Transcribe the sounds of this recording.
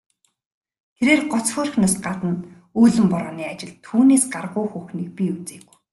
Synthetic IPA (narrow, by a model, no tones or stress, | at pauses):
t̪ʰeɾeːrɢɔt͡sxoːr̆xnɔːsɢat̪ə̆n | uːɮɘ̆mpɔɾɔːniːat͡ɕɪ̆ɮt̪ʰuːneːsɢarʁʊːxuːxniːk̚pʲiut͡seːɣu̥